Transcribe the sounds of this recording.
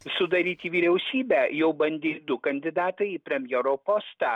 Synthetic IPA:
sʊd̪ɐɾʲiːt̪ʲiːʋʲiːɾʲɛʊsʲiːbʲæjɛʊbɐnʲd̪ʲiːd̪ʊkɐnʲd̪ʲɪd̪ɑːt̪ɐɪipʲɾʲɛmʲjɛɾoːpoːst̪ɑː

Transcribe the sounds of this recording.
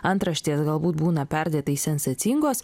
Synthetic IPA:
ɐnt̪ɾɐʃʲt̪ʲeːsɡɐlˠbuːt̪buːnɐpʲæɾʲd̪ʲeɛt̪ɐiːsʲɛnsɐt̪sʲiŋɡoːs

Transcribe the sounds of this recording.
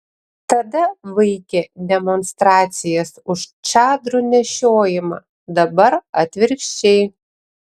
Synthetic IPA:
t̪ɐd̪ɐʋɐɪkʲed̪ʲɛmɔnst̪ɾɑːt̪sʲɪjɛsʊʃt͡ʃʲɑːd̪ɾʊnʲɛʃʲoːjɪmɑ̰ː | d̪ɐbɐɾɐt̪ʲʋʲɪɾʲkʃʲt͡ʃʲɛɪ

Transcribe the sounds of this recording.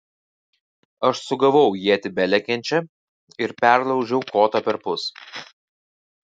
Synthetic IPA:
ɐʃsʊɡɐʋoʊjiːɐt̪ʲɪbʲɛlʲɛkʲɛnʲt͡ʃʲɛ | ɪɾpʲæˑɾlˠɒʊʒʲɛʊkoːt̪ɐpʲɛɾpʊs

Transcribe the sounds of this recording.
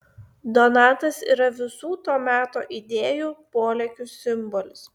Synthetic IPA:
d̪ɔnɑːt̪ɐsḭːɾɐʋʲɪsuːt̪oːmʲæːt̪o̰ːʔid̪ʲeːjuːpoːlʲɛkʲusʲɪmbɔlʲɪs

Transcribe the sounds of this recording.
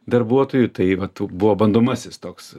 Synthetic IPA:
d̪ɐɾbuɔt̪oːjʊt̪ɐɪʋɐt̪bʊʋoːbɐnd̪oːmɐsʲɪst̪oːks

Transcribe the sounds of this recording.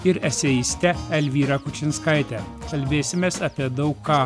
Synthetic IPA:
ɪɾɛsʲejiːsʲt̪ʲɛɛlʲʋʲiːɾɑkʊt͡ʃʲɪnskɐɪt̪ʲɛ | kɐlʲbʲeːsʲɪmʲeːsɑːpʲiɛd̪ɐʊkːɑː

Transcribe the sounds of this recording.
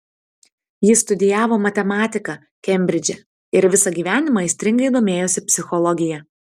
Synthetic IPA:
jɪst̪ʊd̪ʲɪjæːʋoːmɐt̪ʲɛmɑːt̪ʲɪkɐ | kʲɛmʲbʲɾʲɪd͡ʒʲɛ | ɪɾʋʲɪsɐɡʲiːʋʲæːnʲɪmɑɪsʲt̪ʲɾʲɪŋɡɐɪid̪oːmʲeːjoːsʲɪpʲsʲɪxɔlˠɔɡʲɪjɛ

